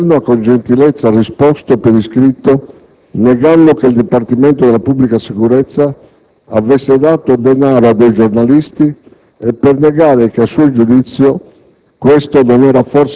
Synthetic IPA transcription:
noakːond͡ʒent̪ilɛt̪sːarispɔst̪opeɾiskɾit̪ːo | nɛɡanːokeild̪ipart̪imɛnt̪od̪ɛlapubːlikasikuɾɛt̪sːaː | vɛsːed̪aːt̪od̪ɛnaːɾoad̪ːejd͡ʒornalist̪i | ɛpːernɛɡaːɾekeasːuːod͡ʒud̪it̪sːjo | kwɛst̪ononɛːɾafɔrs

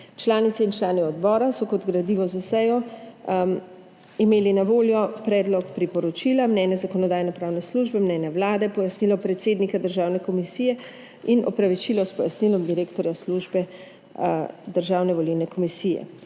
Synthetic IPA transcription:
t͡ʃlaːnit̪siːnt͡ʃlaːniɔd̪bɔːɾasɔkɔd̪ɡɾad̪iːʋɔzusɛjɔ | imeːlinaʋoːljɔpɾɛːd̪lɔkpɾipɔɾɔt͡ʃilamnɛːnjazakɔnɔd̪aːjnɔpɾaːwnɛsluːʒbɛmnɛːnjawlaːd̪ɛpɔjasnilɔpɾɛt̪seːd̪nikad̪əɾʒaːwnɛkɔmisijɛ | inʔɔ̰pɾaʋit͡ʃilɔspɔjasnilɔmd̪iɾeːkt̪ɔɾjasluʒbɛ | d̪əɾʒaːwnɛʋɔliwnɛkɔmisijɛ̰

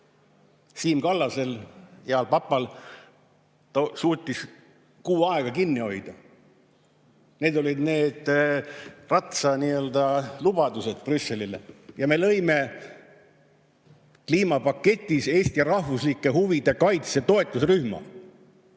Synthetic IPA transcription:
siːmkɑlːɑse̞ljeɑlpɑpːˑɑl | t̪suːt̪ʲːˑis | kuːɑeɡ̥ɑkinːio̞jd̪̥ɑ | ne̞ːd̪o̞lʲid̪ne̞ːd̪̥ | rɑt̪sɑniːø̞ld̪ɑlub̥ɑd̪̥use̞d̪̥prysːe̞lilejɑme̞lɤ̞jme̞ | kliːmɑpɑkːe̞t̪ʲːˑise̞ːst̪ijɑɾɑhvuslikːˑe̞ɦuvid̪̥e̞kɑjt̪set̪o̞e̞t̪ːˑusɾyhmɑ̰

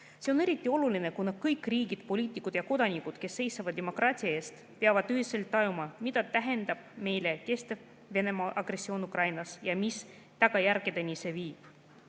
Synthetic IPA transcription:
se̞one̞ɾit̪ˑːio̞luline̞kunɑkɤjkːriːɡid̪̥̚po̞lʲiːt̪ːˑikːˑud̪̥jɑko̞d̪̥ɑnikud̪̥ke̞sːe̞jsɑvɑd̪d̪emo̞krɑːt̪ʲiɑe̞ːst̪ | peɑvɑd̪yɦise̞lt̪ːɑjumɑmid̪̥ɑt̪æɦe̞nd̪ɑb̥̚me̞jle̞ke̞st̪e | ve̞ne̞mɑʔɑɡ̥re̞sːio̞ːnukrɑjnɑsjɑmis | t̪ɑɡ̥ɑjærɡ̥ed̪̥e̞nise̞viːb̥

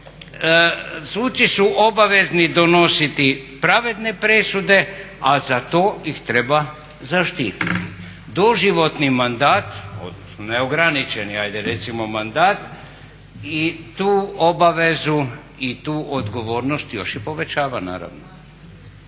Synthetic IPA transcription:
suːt͡ʃisuʔo̞baʋe̞znid̪o̞no̞sit̪ipɾaʋe̞d̪ne̞pɾesud̪e̞ | azat̪o̞ːixt̪ɾe̞ba | zaʃt̪iːt̪it̪i | d̪o̞ʒiʋo̞t̪nimand̪aːt̪o̞̰d̪nosnoneoɡɾanit͡ʃe̞niajd̪eɾe̞t̪simo̞mand̪aːt̪ | it̪uːobaʋe̞zu | it̪uːʔod̪ɡo̞ʋo̞ːɾnost̪jo̞ʃjipo̞ʋe̞t͡ʃaːʋana̰ːɾa̰ʋno̰

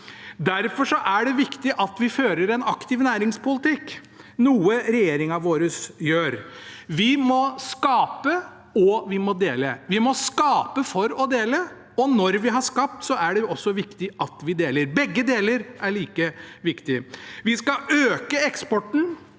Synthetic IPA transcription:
d̪æɾfɔʂɔʔæɖɛʋɪkt̪ɪʔɑt̪ʋɪføːɾəɾɛnɑkt̪ɪʋnæːɾɪŋspʊlɪt̪ɪk | nuːəɾɛjeːɾɪŋɑʋoːɾəsjøːɾʋɪmɔskɑːpə | ɔʋɪmɔd̪eːləʋɪmɔskɑːpəfɔɾɔd̪eːlə | ɔnɔɾʋɪɦɑʂkɑp̚t̪sɔʔæɖɛɔsːɔʋɪkt̪ɪʔɑt̪ʋɪd̪eːləɾbɛɡːəd̪eːləɾæɭiːkəʋɪkt̪ɪʋɪskɑøːkəɛkspɔʈn̩

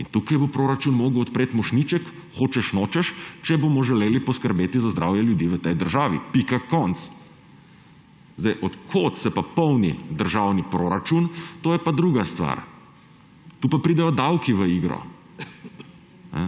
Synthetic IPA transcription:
int̪uːkajbopɾoːɾat͡ʃunmoːɡəwɔt̪pɾeːt̪mɔʃnit͡ʃɛk | xoːt͡ʃɛʃnoːt͡ʃɛʃt͡ʃɛbomɔʒɛleːlipɔskəɾbeːt̪izazd̪ɾʔa̰ːwjɛljud̪iːʋət̪ɛjd̪əɾʒaːʋḭpikakːɔnt̪s | zd̪ajʔɔt̪kʰot̪sɛpapɔwnḭd̪əɾʒawnipɾoːɾat͡ʃunt̪oːjɛpad̪ɾuɡast̪ʋa̰ɾ | t̪uːpapɾiːd̪ɛjɔd̪awkiʋəiɡɾɔ̰ | nɛ̰

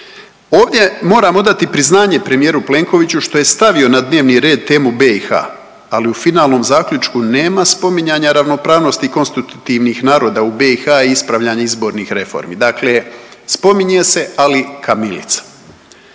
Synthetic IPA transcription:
oːʋd̪ʲjemo̞ːɾaːmo̞d̪at̪ipɾiznaːɲe̞pɾe̞mijeɾuple̞ːŋko̞ʋit͡ɕuʃt̪o̞je̞st̪aʋio̞nad̪ne̞ːʋniɾe̞ːd̪̚t̪e̞ːmubeixa̰ː | liufinaːlˠno̞ːmzaːkʎʲut͡ʃkune̞ːmaspo̞miɲaɲaɾaʋno̞pɾaːʋno̞st̪iko̞nst̪it̪ut̪iʋnixnaːɾo̞ːd̪aube̞ixaiispɾaʋʎaɲaizbo̞ːɾnixɾe̞fo̞̰ɾmḭd̪akle̞spo̞miɲe̞se̞alikʰamilḭt̪sḁ

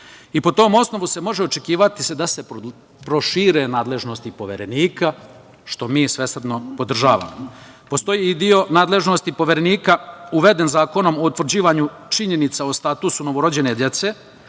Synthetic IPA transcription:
ipo̞t̪o̞ːmo̞sno̞ʋuse̞mo̞ʒeo̞t͡ʃe̞kiːʋat̪i̥sed̪ase̞p | pɾo̞ʃiːɾe̞naːd̪le̞ʒno̞st̪ipo̞ʋeɾe̞niːka | ʃt̪o̞miːsʋe̞sr̩d̪no̞po̞d̪r̩ʒaːʋa̰mo | po̞st̪o̞jiid̪io̞naːd̪le̞ʒno̞st̪ipo̞ʋeɾeniːkauʋe̞d̪e̞nzaːko̞no̞mo̞ut̪ʋr̩d͡ʑiːʋaɲu | t͡ʃiɲe̞nit̪saost̪at̪usuno̞ʋo̞ɾo̞d͡ʑe̞ne̞d̪je̞t̪se̞

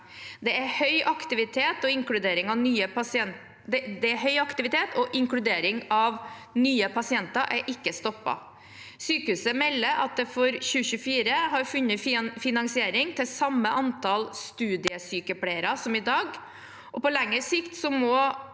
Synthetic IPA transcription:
d̪ɛæhœʏʔɑkt̪ɪʋɪt̪ʰeːt̪ɔɪŋkɽʉd̪eːɾɪŋɑʋnyːəpɑsɪɛn | d̪ɛd̪ɛæɦœʏɑkt̪ɪʋɪt̪ʰeːt̪ʰɔʔɪŋkɽʉd̪eːɾɪŋɑʋnyːəpʰɑsɪɛnt̪ɑɾʔæɾʔɪkːəst̪ɔpːɑ̰ | syːkəʉsəmɛlːəʔɑ̰t̪̚d̪ɛfɔɾɕʉːɕʉfiːɾəɦɑɾfʉnːəffɪnɑŋsɪeːɾɪŋt̪ʰɪlsɑmːəʔɑnt̪ʰɑlst̪ʉːd̪ɪəsyːkəpʰɽeɪəɾɑsɔmɪd̪ɑːɡ | ʔɔpɔlɛŋːəsɪkt̪sɔmɔ

